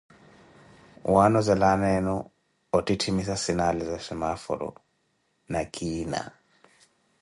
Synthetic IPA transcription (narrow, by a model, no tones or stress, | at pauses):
wanɔzɛlanɛnɔ | ɔtʼitʰimisasinalizasɛmafɔ̰ɾɔ̰ | nakʰʼiːna̰